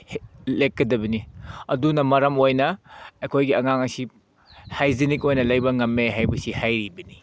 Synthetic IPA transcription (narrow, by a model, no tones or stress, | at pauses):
hlekkːɐdɐbɐniɐ̰dunɐmɐɾɐmojnɐɐkʰojɡiɐŋaŋɐsi | hajzinikojnɐlɐjbɐŋɐmːeɦajbɐsihajɾibɐni